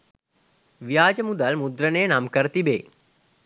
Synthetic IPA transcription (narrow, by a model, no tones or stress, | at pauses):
ʋijaːd͡ʒəmud̪ɐlmud̪ɾənejənamkəɾət̪ibeː